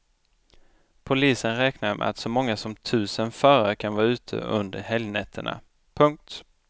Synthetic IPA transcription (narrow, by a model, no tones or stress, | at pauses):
pʰʊliːsənɾɛːknaɾmʔɛ̰at̪sɔmɔŋːasɔmt̪ʰʉ̟ːsənfœːɾaɾəkʰanvɑːʉ̟ːt̪ʰə̰ɵ̰nd̪əɾhɛljnɛt̪ʰːəɳa̰ | pʰɵŋk̚t̪